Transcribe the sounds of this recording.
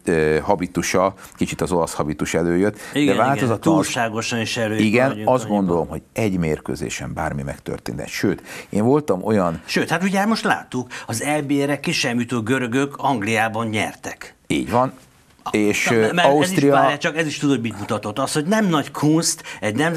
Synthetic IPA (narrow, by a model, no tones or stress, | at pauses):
øhɒbit̪uʃɒ | kit͡ʃit̪ɒzo̞lɒshɒbit̪uʃɛløːjøt̪ːiɡ̪d̪ɛvaːlt̪ozɒt̪uːlʃaːɡo̞ʃɒniʃɛløːiɡɛnɒzd̪ɡond̪olo̞mɦo̞ɟɛɟmeːrkø̰ːzḛːʃɛ̰mba̰ːrmimɛkt̪ø̰rt̪ḛːnt̪ɛ̰t̪ʃøːt̪eːɱvo̞lt̪ɒmo̞jɒnʃøːt̪hat̪uɟaːɾmo̞ʃt̪la̰ːt̪ːukɒzɛlbeɾɛkeʃɛmjut̪oːɡøɾøɡøkɒŋɡlijaːbɒɲɲɛ̰rt̪ɛkḭːɟʋɒn | eːʃɛɒusit̪ʃijɒajat͡ʃɒkɛziʃt̪ud̪hoɟmit̪mut̪ɒt̪o̞t̪ːɒst̪hoɟnɛmnɒckʰunst̪ɛɟnɛm